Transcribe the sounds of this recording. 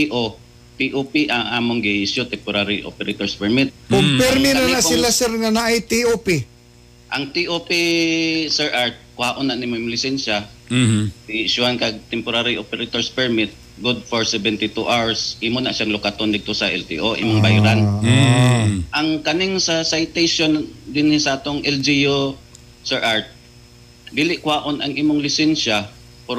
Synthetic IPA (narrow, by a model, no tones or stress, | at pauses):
t̪iʔo | t̪iʔopiʔɐŋʔaːmoŋɡɪʔɪʃʊt̪ɛmpʊɾaɾiʔo̰pɛɾɪt̪oɹspɛɹmɪt̪̚kʊmpɛɾminanaɪlasɛɾŋanaʔajt̪iʔopi | ʔɐŋt̪iʔopi | sɛɹʔaɹt̪̚kʊhaːʔʊnaʔnɪmoɪmlɪsɛnʃa | dɪʔɪʃʊhankaɡ̚t̪ɛmpʊɾaɾiʔopɛɾt̪oɹspɛɹmɪt̪̚ | ɡʊd̪̚foɹsɛbɛnt̪ɪt̪uʔawɹsʔiːmonɐʔʃaŋlʊkat̪ond̪ɪɡ̚t̪osɐʔɛlt̪ḭʔoʔḭmoŋbajɾan | ʔɐŋkɐnɪŋsɐsajt̪ejʃond̪ɪnɪsɐʔaːt̪oŋʔɛld͡ʒijo | sɛɹʔaɹt̪̚ | bɪlɪʔkwaːʔonʔɐŋʔiːmoŋlɪsɛnʃa | pʊ